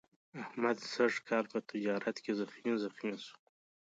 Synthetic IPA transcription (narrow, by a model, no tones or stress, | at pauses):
ahmad̪saʐkʰɑːlpət̪ɪd͡ʒɑːɾat̪kezaxinzaxinsu̥